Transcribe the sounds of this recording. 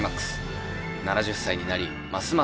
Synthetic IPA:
maksɨ̥ | nanaʑɨsːaiɲ̟inaɾʲi | masɨma

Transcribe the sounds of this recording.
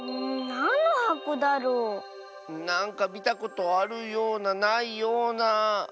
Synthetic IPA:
nanoakud̪aɾo | naŋkabit̪akot̪oaɾujonanaijona

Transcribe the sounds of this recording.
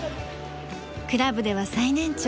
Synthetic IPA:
kɯ̟ɾabɯ̟d̪e̞βasainẽ̞ɲt͡ɕ

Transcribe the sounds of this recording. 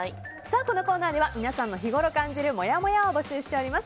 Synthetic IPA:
saːko̞no̞ko̞ːnaːd̪e̞β̞amʲinasãnːo̞çiɡo̞ɾo̞kãɲ̟d͡ʑiɾɯ̟mo̞jamo̞jaobo̞ɕɨːɕi̥t̪e̞o̞ɾimasɨ̥

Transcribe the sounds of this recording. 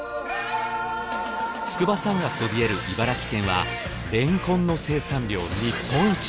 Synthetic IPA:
sɨ̥kɯ̟basãŋɡaso̞bʲieɾɯ̟ʔibaɾakʲi̥k̪ẽ̞ɰ̃βa | ɾẽ̞ŋkõ̞nːo̞se̞ːsãɲɾʲo̞ːɲipːõ̞ɰ̃it͡ɕ

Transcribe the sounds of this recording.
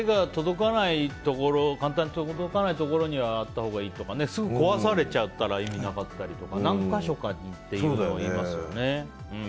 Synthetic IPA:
eɡat̪o̞d̪o̞kanait̪o̞ko̞ɾo̞kãnt̪̬ãɲːit̪od̪o̞kanait̪o̞ko̞ɾo̞ɲ̟iβaːt̪ːaho̞ːɡaiːt̪o̞kane̞sɨɡɯ̟ko̞βasaɾe̞t͡ɕaɯt̪ːaɾaimʲinakat̪ːaɾʲit̪o̞kanãŋkaɕo̞kaɲit̪ːe̞jɯːooimmasɨjjone̞ | ɯ̃

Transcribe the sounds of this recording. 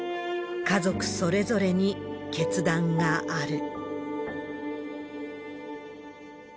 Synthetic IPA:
kazo̞kɯ̟̥so̞ɾe̞zo̞ɾe̞ɲ̟ike̞t͡sɨd̪ãŋɡaaɾɯ̟

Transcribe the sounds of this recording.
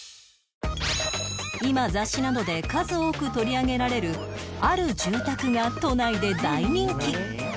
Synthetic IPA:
imazaɕːinad̪o̞d̪e̞kazɨoːkɯ̟t̪o̞ɾʲiaɡe̞ɾaɾe̞ɾɯ̟aɾɯ̟ʑɨːt̪akɯ̟ɡat̪o̞naid̪e̞d̪aiɲ̟ĩŋkʲi

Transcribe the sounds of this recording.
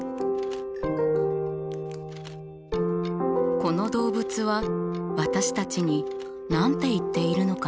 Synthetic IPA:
ko̞no̞d̪o̞ːbɯ̟t͡sɨβaβat̪aɕi̥t̪at͡ɕiɲ̟i | nãnt̪e̞it̪ːe̞iɾɯ̟no̞ka

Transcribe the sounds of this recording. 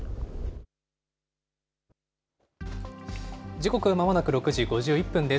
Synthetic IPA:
d͡ʑiko̞kɯ̟amamanakɯ̟ɾo̞kɯʑiɡo̞ʑɨːipːɯ̟̃nd̪e̞

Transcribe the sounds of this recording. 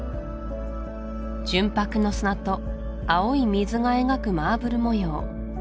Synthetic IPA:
d͡ʑɨ̃mpakɯ̟no̞sɨnat̪o̞ | aoimʲizɨŋae̞ŋakɯ̟maːbɯ̟ɾɯ̟mo̞joː

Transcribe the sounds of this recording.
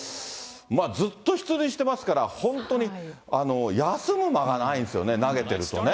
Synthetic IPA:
maːzɨt̪ːo̞çi̥t͡sɨɾiɕi̥t̪e̞masɨ̥kaɾahõ̞nt̪o̞ɲ̟i | ano̞jasɨmɯ̟maɡanaĩnsɨjo̞̰ne̞naɡe̞t̪e̞ɾɯ̟t̪o̞ne

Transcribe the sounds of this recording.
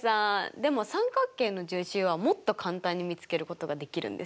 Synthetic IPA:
sad̪e̞mo̞sãŋkakːe̞ːnːo̞ʑɨːɕɨːβamo̞t̪ːo̞kʰãnt̪ãɲ̟ːimʲit͡sɨ̥ke̞ɾɯ̟ko̞t̪o̞ɡad̪e̞kʲiɾɯ̟̰̃nd̪e̞s

